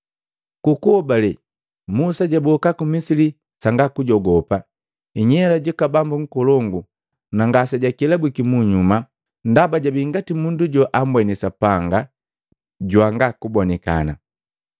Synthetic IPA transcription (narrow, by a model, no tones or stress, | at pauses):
kukuɔbalɛ | musaɟabɔkakumisili | saŋɡakuɟɔɡɔpa | iɲɛlaɟakabambuŋ̩kɔlɔŋɡu | naŋɡasaɟakilabwikimuɲuma | n̩dabaɟabiŋɡatimunduɟɔʔambwɛnɛsapaŋɡa | ɟwaŋɡakubɔnɛka̰na̰